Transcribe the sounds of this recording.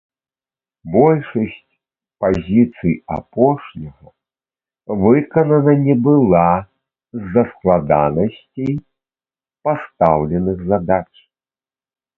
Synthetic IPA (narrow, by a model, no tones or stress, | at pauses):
bɔlʲʂɐsʲt͡sʲ | pazʲit̪sɨja̰pɔʂnʲɐɣɐ | vɨkɐnɐnɐnʲɛbɨlˠa | zːɐsklˠad̪anɐsʲt͡sʲej | past̪awlʲɛnɨɣzad̪at͡ʂ